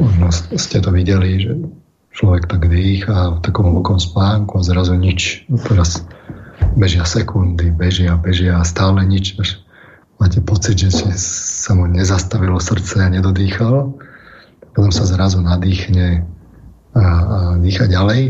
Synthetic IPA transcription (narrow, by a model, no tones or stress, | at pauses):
mɔʒnɔsscɛt̪ɔʋiɟɛliʒɛ | t͡ʃlɔʋɛkt̪aɡd̪iːxaft̪akɔmʋɔkɔmspaːŋkuazɾazuɲit͡ʃt̪ɛɾas | bɛʒɪasɛkund̪ibɛʒɪabɛʒɪast̪aːlɛɲit͡ʃaʃ | maːcɛpɔt͡sid̪ʒɛscɛsamuɲɛzast̪aʋilɔsr̩t͡sɛaɲɛd̪ɔd̪iːxalɔ | apɔt̪ɔmsazɾazunad̪iːxɲɛ | aːd̪iːxaɟalɛj